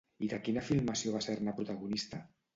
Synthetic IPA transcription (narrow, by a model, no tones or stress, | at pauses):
iðəkinafilˠmasioβ̞aseɾnapɾut̪aɣunist̪a